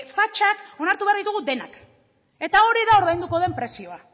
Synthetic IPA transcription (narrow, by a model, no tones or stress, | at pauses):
fat͡ʃako̞naɾt̪uβeaɾðit̪uɣ̞ud̪e̞nak | e̞t̪ao̞ɾiðaoɾβajnd̪uko̞ð̞e̞mpɾe̞sio̞a